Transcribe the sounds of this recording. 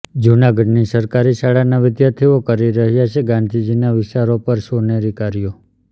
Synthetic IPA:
d͡ʒunaɡəɖnisəɾkaɾiʃaɭanaʋɪd̪jaɾt̪ʰiʋokəɾiɾəɦjat͡ʃʰeɡãnd̪ʱid͡ʒinaʋɪsaɾopəɾʃoneɾikaɾijo

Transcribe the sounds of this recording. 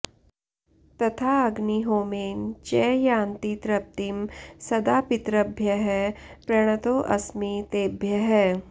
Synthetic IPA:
t̪ɐt̪ʰaːɐɡniɦoːmeːnt͡ʃɛːjãːnt̪it̪ɾɐp̚t̪imsɐd̪aːpɪt̪ɾɐbʱjɐɦɛːpɾɐɽ̃ət̪oːʔɐsmit̪eːbʱjɐɦɛː

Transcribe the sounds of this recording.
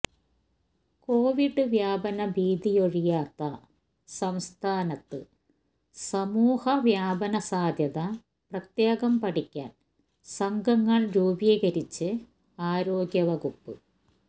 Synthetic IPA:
ko̞ːʋiɖɨʋjaːbɐnɐbiːd̪ijoɻijaːt̪ːɐ | sɐmst̪ʰaːnɐt̪ːɨ | sɐmuːhɐʋjaːbɐnɐsaːd̪jɐðɐ | prɐt̪jeːɣɐmpɐʈikʲːa̰ːn | sɐŋɡɐŋːɐɭɾuːbiːɣɐɾit͡ɕːɨ | aːɾo̞ːɡjɐʋɐɣupːɨ̰

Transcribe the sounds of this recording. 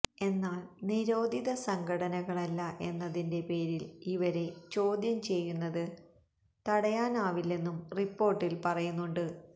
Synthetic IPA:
e̞nːaːɭniɾo̞ːd̪ʱiðɐsɐŋɡʰʱɐɽɐnɐɣɐɭɐlːɐʔe̞nːɐðinde̞pe̞ːɾiliʋɐɾe̞t͡ɕo̞ːd̪jɐmt͡ɕe̞jːunːɐðɨ | t̪ɐɽɐjaːnaːʋilːe̞nːumripːo̞ːrʈːilpɐrɐjunːuɳɖɨ

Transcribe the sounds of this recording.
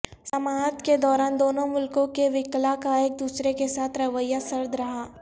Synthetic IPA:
sɐmaːt̪ked̪ɔːɾaːnd̪oːnõmʊlkõkeʋɪklakaeːk̚d̪uːsɾekesaːt̪ʰɾɐʋəjːasɐɾd̪ʱɾɐɦaː

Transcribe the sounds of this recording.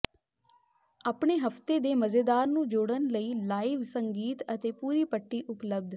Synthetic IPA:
aːpɳeːɦəft̪eːd̪eːməzeːd̪aːɾnũːd͡ʒoːɽənləiːlaːiːʋsəŋɡiːt̪ət̪eːpuːɾiːpəʈːiːʔʊpləb̚d̪

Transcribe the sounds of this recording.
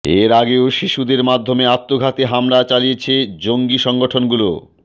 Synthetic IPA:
eɾaɡeoʃiʃud̪eɾmad̪ʱːomeat̪ːoɡʱat̪eɦamlat͡ɕalijet͡ɕʰed͡ʑoŋɡiʃɔŋɡoʈʰonɡulo̰

